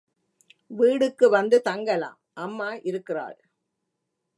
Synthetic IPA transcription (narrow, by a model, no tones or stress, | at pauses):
ʋiːɽɯkːɯʋɐnd̪ɯt̪ɐŋɡɐla̰ːmʔɐmːaːʔɪɾɯkːɪra̰ːɭ